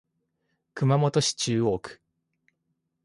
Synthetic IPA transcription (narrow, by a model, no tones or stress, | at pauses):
kɯ̟mamo̞t̪o̞ɕi̥t͡ɕɨːo̞ːkɯ̥